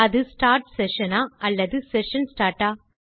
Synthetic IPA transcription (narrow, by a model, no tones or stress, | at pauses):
ɐðɯsʈaːɾʈsɛʂɐnaːɐlːɐðɯsɛʂɐnsʈaːɾʈaː